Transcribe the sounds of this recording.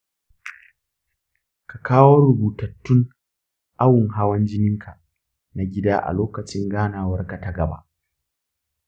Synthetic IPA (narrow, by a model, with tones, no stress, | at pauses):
ka˨kʰaː˦woː˦ɾʊ˨buː˨tɐ˨tːʊ˦ŋ | ʔa˦wʊ˨ŋɦa˦wɐ˦nd͡ʒɪ˦nɪ˦ŋkʰa˨ | na˨ɡʲɪ˦daː˦ʔa̰˨loː˦kɐ˨t͡ʃɪ˦ŋɡaː˦naː˨wɐ˦rka˨ta˦ɡɐ˨ba̰˦ʔ